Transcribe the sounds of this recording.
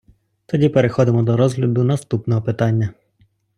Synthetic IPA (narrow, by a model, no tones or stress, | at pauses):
t̪ɔdʲipeɾexɔd̪ɪmɔd̪ɔɾɔzɦlʲɐd̪ʊnɐst̪upnɔɦɔpɪt̪ɑnʲːɐ